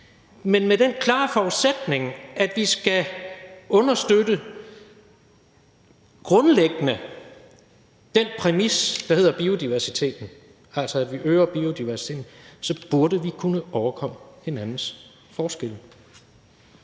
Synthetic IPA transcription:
menmed̥enkʰlɑ̰̈ːfɒud̥sed̥ne̝ŋæd̥ʋisɡ̥æ | ɔ̽nɐsd̥ødə | ɡ̥ʁɔ̽nleɡ̥ənə | d̥enpʰʁɛmisd̥ɑ̈he̝ð̰ˠɐb̥io̝d̥iʋæɐsit͡sʰe̝̰ːd̥n̩ | ælsɒ̽æd̥ʋiʔøːɐb̥io̝d̥iʋæɐsi̥t͡sʰe̝̰ːdn̩sɒ̽b̥uɐɾəʋikʰunəʔɒʊɐkʰɒ̽m̰əhe̝nænn̩s | fɒːsɡ̥el̰̩

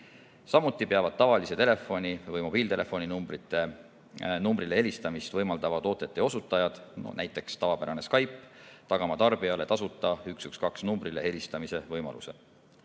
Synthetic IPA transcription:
sɑmut̪ːˑipeɑvɑd̪̥̚t̪ɑvɑliset̪e̞le̞fo̞nʲivɤjmo̞b̥iːlt̪e̞le̞fo̞ninumbɾit̪ːˑe̞ | numbɾilee̞list̪ɑmist̪vɤjmɑld̪̥ɑvɑt̪o̞ːt̪ːˑet̪ːˑeo̞sut̪ːˑɑjɑd̪̥̰næjt̪ːˑe̞kst̪ɑvɑpæɾɑne̞skɑjpːˑt̪ɑɡ̥ɑmɑt̪ɑrb̥iɑle̞t̪ɑsut̪ːˑɑyksykskɑksnumbɾile̞e̞lʲist̪ɑmise̞vɤjmɑ̰lṵse̞̰

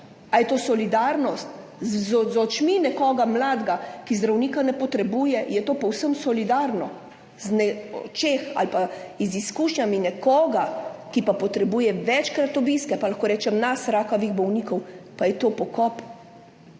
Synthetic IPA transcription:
ajɛt̪oːsɔlid̪aɾnɔst̪ | zzɔt͡ʃminɛkɔːɡamlaːd̪ɡakizd̪ɾawniːkanɛpɔt̪ɾɛbuːjɛjɛt̪oːpɔwsəmsɔlid̪aɾnɔ | znɛɔ̰t͡ʃexa̰lpaiziskuʃɲʲaminɛkɔːɡakipapɔt̪ɾɛbuːjɛʋɛt͡ʃkɾat̪ɔbiskɛpalaxkoːɾɛːt͡ʃɛmnasɾaːkɔʋiɣbɔwniːkɔwpajɛt̪oːpɔkɔp

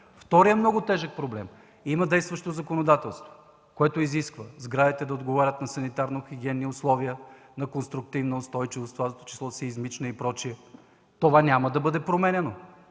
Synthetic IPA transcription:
ft̪ɔɾijəmnɔɡʊt̪ɛʒək̚pɾoblɛm | imɐd̪ɛjst̪vɐʃt̪ozɐkonod̪at̪ɛlˠst̪vo̥ | koɛt̪oiziskvəzɡɾad̪it̪ɛd̪ɐod̪ɡovaɾʲət̪nɐsɐnit̪aɾnoxʲiɡʲiɛnːiʊslˠɔviə | nɐkonst̪ɾʊk̚t̪ivnɐʊst̪ɔjt͡ʃivost̪ovat̪o̥t͡ʃi̥slˠɔsɛizmit͡ʃnɐipɾɔt͡ʃiə | t̪ovanʲamɐd̪ɐbɤd̪ɛpɾomɛnʲɛno

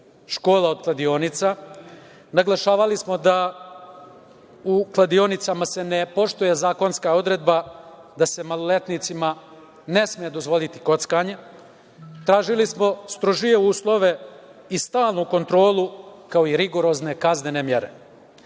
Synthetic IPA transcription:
ʃko̞ːlˠao̞d̪̚klad̪io̞nit̪sa | naɡlˠaʃaːʋalismo̞d̪a | uklˠad̪io̞nit̪samase̞ne̞po̞ʃt̪ojezaːko̞nskao̞d̪ɾe̞d̪ba | d̪ase̞malˠolet̪nit̪sima | ne̞smijed̪o̞zʋo̞lit̪i̥ko̞t̪skaɲe | t̪ɾaːʒilismo̞st̪ɾoʒije̞uːslˠo̞ʋe̞ist̪aːlˠnuko̞nt̪ɾo̞ːlukao̞iɾiɡo̞ɾo̞zne̞kaznenemjeɾe̞̰

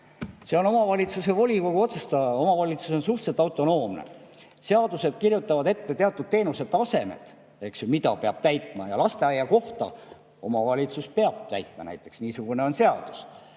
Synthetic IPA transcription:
se̞o̞no̞mɑvɑlʲit̪suse̞vo̞lʲiko̞ɡ̥uo̞t̪sest̪ɑɑo̞mɑvɑlʲit̪suso̞nsuht̪set̪ːˑɑwt̪ːˑo̞no̞ːmnḛ | se̞ɑd̪use̞d̪̥̚kirjut̪ːˑɑvɑd̪e̞t̪ːe̞t̪eɑt̪ːˑud̪̥̚t̪ːe̞ːnuse̞ːˑɑse̞me̞̰t̪ | e̞ksjumid̪ɑ̰peɑb̥̚t̪æjt̪ˑmɑjɑlɑst̪e̞ɑjːɑko̞ht̪ɑ̰ | o̞mɑvɑlʲit̪suspeɑb̥̚t̪æ̰jt̪ˑmɑ̰næ̰jt̪ːˑe̞ksniːsuɡ̥uneo̞nse̞ɑd̪̥u̥s

